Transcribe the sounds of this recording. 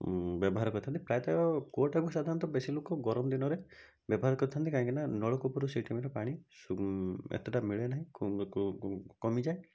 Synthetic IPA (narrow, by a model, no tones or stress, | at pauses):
bjɔbɔɦaɾɔkɔɾt̪ʰant̪ipɾajt̪aɔkoʈakusad̪ʱaɾɔnt̪ɔbesilokɔɡɔɾɔmd̪inɔɾe | bjɔbɔɦaɾɔkɔɾt̪ʰant̪ikaĩŋkinanɔɭɔkupuɾusiʈʰimiɾɔpaɽ̃isuḛt̪eʈamiɭenaɦĩ | kɔmid͡ʒae